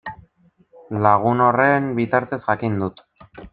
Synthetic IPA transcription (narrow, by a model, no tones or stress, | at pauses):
laɣ̞uno̞re̞mbit̪aɾt̪e̞zʝakind̪ut̪